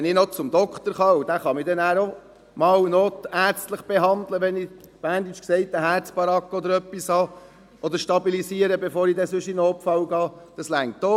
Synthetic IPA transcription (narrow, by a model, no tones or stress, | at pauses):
ɛnɪnɔt͡sʊmd̪ɔkχt̪əɾχɑːʊd̥̪æχɑmɪd̪ɛnæːɾo | mɑːwnoːt̪æːɾt͡stləχb̥eɦɑnd̪ləʋɛnɪ | b̥æːndit͡ʃksɛɪtəɦæɾt͡sb̥ɑɾɑkːɔd̪əɾœpːishɑː | ʔɔd̪əɾʃtɑbilisiːəɾəbefoːɾid̪ɛsɵʃinːpfɑwɡɑːd̥ɑslæŋt̪ːo